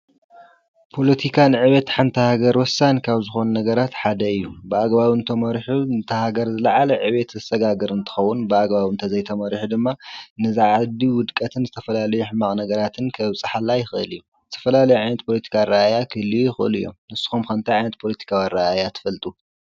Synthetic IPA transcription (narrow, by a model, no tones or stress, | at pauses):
pʰo̞lɐt̪ʰikʰanɨʕɨβet̪ħant̪ʰɐhaɡɐɾwɔsankʰaβzɨxo̞nunɐɡɐɾat̪ħad̪ɐɨjːubɨaɡbaβɨnt̪ʰɐmɐɾħunt̪ʰɐhaɡɐɾzɨlaʕalɐʕɨβet̪zɨst̪ʼɐɡaɡɨɾɨnt̪ʰɨ̥xɐwːunbɨaɡβaβɨnt̪ʰɐzɐjt̪ʰɐmɐɾħud̪ɨmːanɨzaʕad̪iwʊd̪kʼɐt̪ʰɨnzɨt̪ʰɐfɐlalɐjuħɨmaχʼnɐɡɐɾat̪ʰɨnkʰɐβsʼɨħalːajɪxɨɨ̰lijːu | zɨt̪ʰɐ̥fɐlalɐjuʕajnɐt̪̚pʰo̞lɐt̪ʰi̥kʰaɾaajakʰɨlːijɪxɨʔɨ̰lḭjo̰mnɨsːɨ̥xumkɐnt̪ʰajʕajnɐt̪̚pʰo̞lɐt̪ʰi̥kʰawanɾaajat̪ʰɨ̥fɐlt̪ʼu